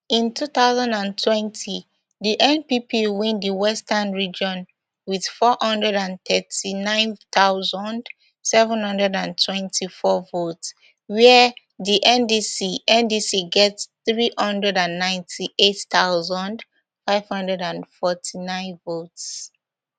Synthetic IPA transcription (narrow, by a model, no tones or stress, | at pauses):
ĩntʰuθaʊzɔ̃ndãntʰwɛ̃ntʰi | ðiʔɛ̃npipiwĩndiwɛstənɹid͡ʒɔ̃n | wið̥fɔhʌ̃ndɹɛdãntɛtinãɪ̃nθaʊzɔ̃nd | sɛvə̃nhʌ̃ndɹɛdãntʰwɛ̃ntʰifɔvots | wɛ | ðiʔɛ̃ndisiʔɛ̃ndisiɡɛtθɹihʌ̃ndɹɛdãnːãɪ̃ntʰiʔettaʊzɔ̃nd | faɪv̥hʌ̃ndɹɛdãnfɔtʰinãɪ̃nvots